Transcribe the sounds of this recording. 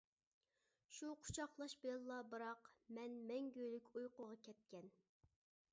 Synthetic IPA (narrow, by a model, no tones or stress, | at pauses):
ʃuqʰʊ̥t͡ʃʰɑχlˠɑʃbelˠlːˠɑbɨɾɑqmɛnmɛŋɡʲøjlykʲujqʊʁɑkʲʰɛt̪̚kʲɛn